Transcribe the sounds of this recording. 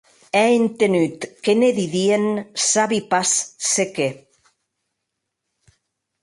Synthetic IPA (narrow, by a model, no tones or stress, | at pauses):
ɛent̪enyt̪keneðiðiensaβipasseke